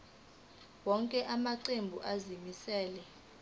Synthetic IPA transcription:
wɔŋkʼɛʔamaǀembʱuʔazimisɛːlɛ

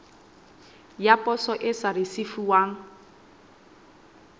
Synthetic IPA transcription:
japʼɔsɔʔɪsaɾɪsifuwaːŋ̩

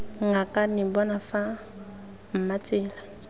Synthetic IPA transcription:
ŋɡakanibɔnafa | m̩matela

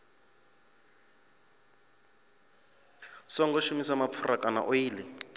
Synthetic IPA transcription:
sɔŋɡɔʃumisamap̪fʰurʔakʼana̰ʔojiːlɛ

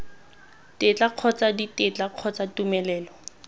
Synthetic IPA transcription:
tet͡ɬaq͡χʰɔt͡saditet͡ɬaq͡χʰɔt͡satumɛlɛːlɔ

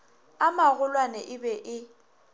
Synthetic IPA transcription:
amaɣʊlwanɛʔɪbɛʔɪ

